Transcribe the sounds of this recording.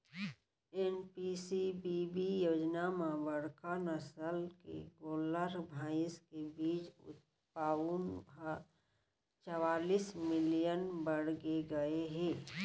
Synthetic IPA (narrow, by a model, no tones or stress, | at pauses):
eːnpisibibijoːd͡ʒnameʋəɽkanəsəlkḛɡoːləɾbʱaːɪskebiːt͡ʃʊ̰t̪̚ | paːunba | t͡ʃəwaːliːsmɪlijənbəɽɡeɡəeɦɛ̃ː